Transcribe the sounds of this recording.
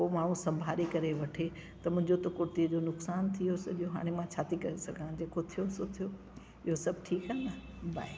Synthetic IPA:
omaːɽ̤ũsɐ̃mbʱaːɾikɐɾeʋɐʈʰe | t̪ɐmʊ̃ɦɪ̃ɲd͡ʑot̪okʊɾt̪iəd͡ʑonʊksaːnt̪ʰijosɐʄijoɦa̰ːɽ̃emãt͡ɕʰaːt̪ikɐɾesɐɡʱãd͡ʑeːkot̪ʰijosot̪ʰijo | ɪɦosɐbʱʈʰiːkɦãnd̪a | bʱa̰ːi

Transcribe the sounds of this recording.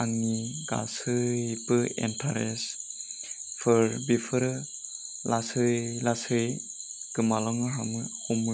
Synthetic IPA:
aŋniɡa̰sɯjpɯḛntʰa̰ɾes | pʰɯɾbipʰɯɾɯ | lasɯjlasɯj | kɯmalɔŋɯɦamɯhumɯ

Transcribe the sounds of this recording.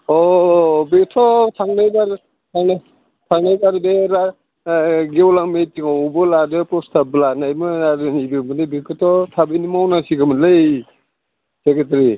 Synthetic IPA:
ɔbektʰɔtʰaŋnajbaɾ | tʰaŋna | tʰaŋnajbaɾdeɾa | ɡewlaŋmetiŋawbɯladɯpɾɔstʰablanajmɯnaɾɯnidɯmɯnebikʰɯtʰɔtʰabijnimawnasiɡɯmɯlɯj | seket̬ɾi

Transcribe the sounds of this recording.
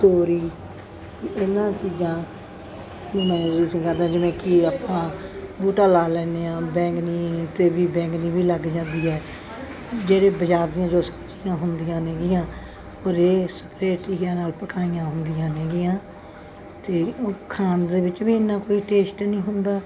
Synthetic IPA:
t̪oːɾiː | ɪnːãːt͡ʃiːzãː | õːmɛ̃ːɪsĩːkəɾd̪ãːd͡ʒɪmẽːkɪaːpãːbuːʈaːlaːlɛːneːãːbɛ̃ːŋkniːt̪eːbiːbɛ̃ːŋknĩːbʱiːləɡd͡ʒãːnd̪iːɛː | d͡ʒeːɽeːbəd͡ʒaːɾd̪iːjãːd͡ʒoːsə̥bt͡ʃijãːɦʊnd̪iːjãːneːɡɪjãː | ɔːɾeːsə̥pɾeːʈiːɡjãːnaːlpəkaːijãːɦʊnd̪ijãːnẽːɡɪjãː | t̪eːkʰaːnd̪eːbɪt͡ʃbiːɪnːãːkoːiːʈeːsʈnĩːɦʊnd̪aː

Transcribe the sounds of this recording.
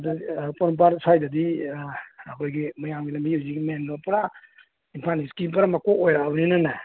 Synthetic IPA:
dapoɾmp̬aɾsʰajdɐdi | ɐkʰojɡimɐjamɡilɐmbijiwziɡimenːopɐɾa | inpʰaniskipɐɾamakoʔojɾaawninana

